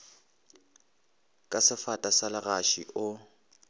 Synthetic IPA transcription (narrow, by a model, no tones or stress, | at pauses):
kʼasɪfatʼasalaɣaʃḭʔʊ